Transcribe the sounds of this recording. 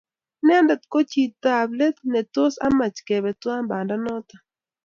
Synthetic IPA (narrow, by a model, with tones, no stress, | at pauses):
nɛ˦ndɛ˨t̪ko˦t͡ʃi˨t̪a˨blɛ˦t̪nɛ˨to˦sa̰˦ma˨t͡ʃke˨bɛ˨twa˦mba˨nda˦nɔ˦t̪a˨